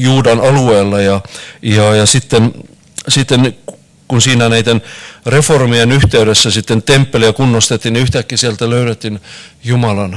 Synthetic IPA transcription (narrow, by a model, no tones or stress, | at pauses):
juːdɑnɑlueːlːɑjɑjɑjɑsit̪ːen | sit̪ːen | kunsiːnænæit̪enreformijenyht̪eyɾesːæsit̪ːent̪empːeliækunːost̪et̪ːiniyht̪ækːisielt̪æløyɾet̪ːin | jumɑlɑn